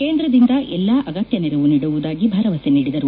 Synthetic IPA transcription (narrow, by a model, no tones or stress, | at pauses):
ke̞ːnd̪ɾɐd̪ind̪ɐʔɛlːaʔɐɡɐt̪jɐniɾɐʋuniːɽuʋud̪aːɡibʱaɾɐʋɐseniːɽid̪ɐɾu